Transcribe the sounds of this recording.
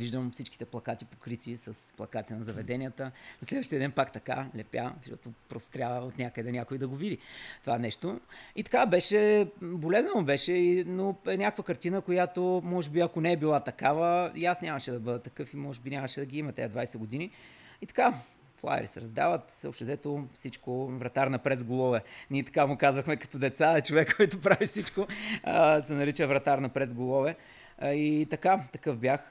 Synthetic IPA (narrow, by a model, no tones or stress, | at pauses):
viʒd̪əmfsit͡ʃki̥t̪ɛplˠɐkat̪ipo̥kɾit̪ʲisɐsplˠɐ̰kat̪inɐzɐvɛd̪ɛnʲijət̪ənɐslɛd̪vəʃt̪iəd̪ɛnpakt̪ɐka̰lɛpʲja̰ʃɔ̰t̪opɾɔst̪o̥t̪ɾʲabəot̪nʲakəd̪ɛnʲakoid̪ɐɡovid̪it̪ovaɛnɛʃt̪oit̪ɐ̥kabɛʃɛbolɛznəobɛʃɛinoɛnʲakəkvəkɐɾt̪inəkojat̪omɔʒɛbiɐkonɛːɛbilˠat̪ɐkavəjasnʲaməʃɛd̪ɐbɤd̪ɐt̪ɐkɤfimɔʒɛbinʲamɐʃɛd̪ɐɡiimɐt̪ɛɐd̪vajsɛɡod̪ini | it̪ɐ̥ka | flˠa̰ɾḭsɛ̰ɾɐzd̪a̰vət̪səo̰ʃt̪ɛzɛt̪ofsit͡ʃkovɾɐt̪aɾnɐpɾɛzɡolˠɔvɛnʲiɛt̪ɐ̥kamʊkazvɐxmɛkɐ̥t̪ɔd̪ɛt̪saɛt͡ʃovɛkːɔjt̪opɾavifsit͡ʃko | sɛnɐɾit͡ʃəvɾɐt̪aɾnɐpɾɛd̪zɡolˠɔvɛ | it̪ɐkat̪ɐkɤfbjax